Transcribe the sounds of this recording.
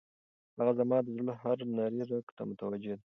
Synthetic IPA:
haɣazamɑd̪əzləɦaɾnaɾiɾakt̪a̰mʊt̪awad͡ʒed̪a

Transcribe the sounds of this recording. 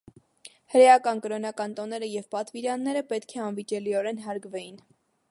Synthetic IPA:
həɾɛjɑkɑnkəɾɔnɑkɑnt̪ɔnɛɾəjɛvpɑt̪viɾjɑnːɛɾəpɛt̪kʰɛɑnvit͡ʃɛliɔɾɛnɦɑɾɡvɛjin

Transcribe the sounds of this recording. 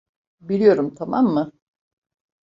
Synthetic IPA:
bilʲijo̞ɾumt̪ʰama̰mːɯ

